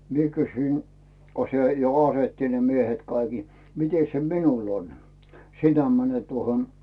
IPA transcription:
mie kysyin ko se jo ɑsetːi ne miehet kɑiki mites se minul on sinæ mænet tuohon

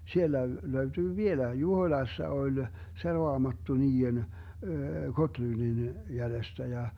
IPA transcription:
sielːæ løytyː ʋielæi juhoĭlɑsːɑ olʲ se roɑmɑtːu niːen ɡotlyndin jælestæ jɑ

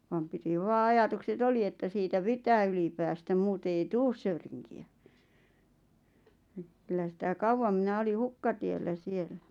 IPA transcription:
ʋɑm piti ʋɑː ɑjɑtukset oli etːæ siːtæ pitæː yli pæːstæm muːte ei tuːs søyriŋkiæ kylːæ sitæ kɑuʋːɑm mĭnæ oli hukːɑtielːæ sielˑæ̥

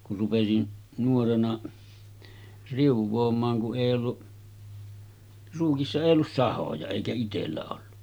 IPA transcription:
kur rupesin nuorenɑ riuʋˑoːmˑɑːŋ kuʔ ʔeˑij olːu ruːkisːɑ eˑij olːus sɑhojɑ eˑikæ itelːæ olːu

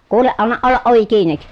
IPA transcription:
kuːleʔ ʔɑnːɑʔ ʔolːɑʔ ʔoʋi kiːnik

